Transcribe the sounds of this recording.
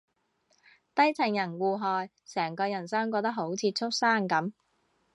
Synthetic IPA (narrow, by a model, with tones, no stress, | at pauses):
t̪ɐ˥jt͡sʰɪ˨˩ŋjɐ˨˩nwuː˨˧ɦɔː˨j | sɛː˨˩ŋkɔː˧jɐ˨˩nsɐ˥ŋkɔː˧k̚t̪ɐ˥ɦo˨˥wt͡sʰiː˨˧t͡sʰʊ˥k̚saː˥nkɐ˨˥m